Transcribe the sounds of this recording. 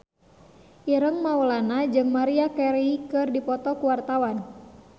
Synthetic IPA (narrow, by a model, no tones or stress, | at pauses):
ʔiɾəŋmaɔlanad͡ʒɨŋmaɾiakɛɾikɨrdipɔt̪ɔkuwart̪awan